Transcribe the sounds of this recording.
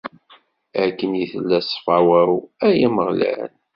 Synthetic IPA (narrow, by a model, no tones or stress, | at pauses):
ækːənjiθəlːæsˤfɑwæwæjiməʁlæ̰n